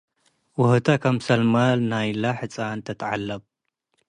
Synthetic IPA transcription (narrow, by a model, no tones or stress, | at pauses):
wʊhɨt̪ʰakʰamsɐlmalnajlaħɨt͡sʼant̪ʰɐt̪ʰʕa̰lːɐb